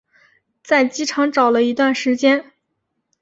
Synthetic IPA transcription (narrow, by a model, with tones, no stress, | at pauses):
t͡sa˥˩ɪt͡ɕi˥ʈ͡ʂʰɑ˧˥ŋʈ͡ʂɑ˨˩ʊlə˦i˧˥t̪wa˥˩nʂɻ̩˧˥t͡ɕjɛ˥n